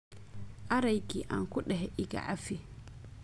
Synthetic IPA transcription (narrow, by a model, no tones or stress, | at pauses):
ʔaɾajkiʔa̰nkuɗɛɦɛʔiɡa̰ʔafi